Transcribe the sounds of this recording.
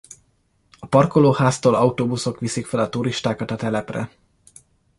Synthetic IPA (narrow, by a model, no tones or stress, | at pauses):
ɒpɒrkoloːhaːst̪oːlɒut̪oːbuso̞kʋisikfɛlɒt̪uɾiʃt̪aːkɒt̪ɒt̪ɛlɛprɛ̰